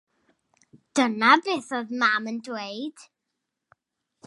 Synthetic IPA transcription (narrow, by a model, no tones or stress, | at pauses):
d̥ənabeːθoðmaməndweɨd̥